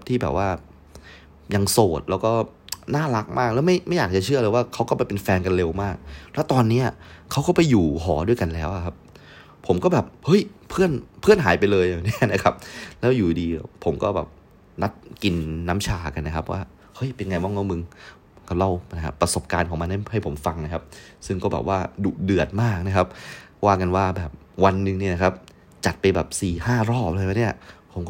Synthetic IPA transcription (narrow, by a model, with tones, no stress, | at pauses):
p̚t̪ʰiː˥˩bɛ̰ː˨˩p̚waː˥˩ | ja˧ŋsoː˨˩t̪̚lɛː˦˥wkɔː˥˩naː˥˩la˦˥k̚maː˥˩k̚lɛː˦˥wma˥˩jma˥˩jaː˨˩k̚t͡ɕa˨˩t͡ɕʰɯ˥˩ɐlːjwaː˥˩kʰa˦˥wkɔː˥˩pa˧jpe˧nfɛː˧nka˧nle˧wmaː˥˩k̚lɛ˦˥wt̪ɔː˧nːiː˦˥ɐkʰa˦˥wkɔː˥˩pa˧jːuː˨˩ɦɔː˩˦du˥˩əjka˧nlɛː˦˥wʔa˨˩kʰa˦˥p̚ʰː | o˩˦mkɔː˥˩bɛː˨˩p̚hɤ˦˥˩jpʰɯ˥˩ənpʰɯ˥˩ənɦaː˩˦jpa˧jlɤː˧ja˨˩ŋni˦˥ɐ˨na˦˥kʰa˦˥p̚lɛː˦˥wjuː˨˩diː˧pʰo˩˦mkɔː˥˩ɛ̰ː˨˩p̚ | na˦˥t̪̚ki˧nːaː˦˥mt͡ɕʰaː˧ka˧nːa˦˥kʰa˦˥p̚wʔa̰ː˥˩ | hɤ˦˥˩jpe˧nŋa˧jmɔ˦˥˩ŋɔ˦˥˩mɯ˧ŋ˦ | ka˧˥˩la˥˩wna˦˥kʰa̰˦˥pːɾa˧so˨˩p̚kaː˧nkʰɔː˩˦ŋma˧nːha˥˩ha˥˩jpʰo˩˦mfa˧ŋna˦˥kʰa˦˥p̚sɯ˥˩ŋkɔː˥˩bɛ̰ː˨˩waː˥˩duː˨˩dɯ˨˩ət̪̚maː˥˩k̚na˦˥kʰa˦˥p̚waː˥˩ka˧nwaː˥˩bɛː˨˩p̚ | wa˧nːɯ˨˧ŋniː˦˥˩na˦˥kʰa˦˥p̚ | t͡ɕa˨˩t̪̚pa˧jbɛː˨˩p̚siː˨˩haː˥˩ɾɔː˥˩p̚laː˧ja˧˥ni˥˩ɐpʰo˩˦mkɔː˩